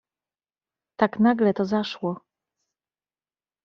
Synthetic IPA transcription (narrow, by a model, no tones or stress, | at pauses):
t̪aknaɡlɛt̪ɔzaʂwɔ